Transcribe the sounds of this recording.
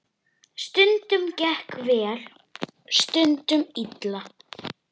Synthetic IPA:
st̪ʏnt̪ʏmcɛhkvɛːɾ̥ | st̪ʏnt̪ʏmit̪la

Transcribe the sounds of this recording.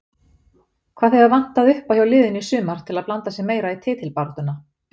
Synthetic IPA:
kʰvaːðɛvavan̥t̪aðʏhpawhçawlɪːðɪnisʏːmaɾ̥t̪ʰɪlaðplant̪asjɛɣmeːjɾait̪ʰɪːt̪ʰɪlpaɾt̪ʏna

